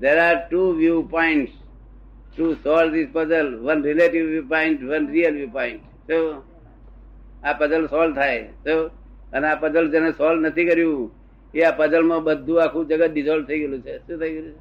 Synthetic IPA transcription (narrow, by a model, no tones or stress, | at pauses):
d̪eːɾaːɾʈuːʋjuːpɔɪ̃ɳʈs | ʈuːsɔːlzispəzəlʋənɾɪleʈiʋʋjuːpaɪ̃ɳʈʋənɾiəlʋjuːpɔɪ̃ɳʈ | soː | apəd͡ʒəlsɔːlt̪ʰaːeso | ənaːpəd͡ʒəld͡ʒẽnẽsɔːlnət̪ʰikəɾjũ | iapəd͡ʒəlmãɓəd̪ʱũakʰũd͡ʒəɡaɗɪzɔl̚t̪ʰəiɡəlũt͡ʃʰesũt̪ʰəiɡəɾũt͡ʃʰ